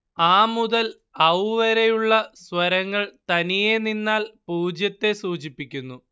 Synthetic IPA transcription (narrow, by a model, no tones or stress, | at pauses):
aːmuðɐl | ɐʋʋɐɾejuɭːɐswɐɾɐŋːɐɭt̪ɐnije̞ninːaːlpuːd͡ʑjɐt̪ːe̞suːt͡ɕipːikʲːunːu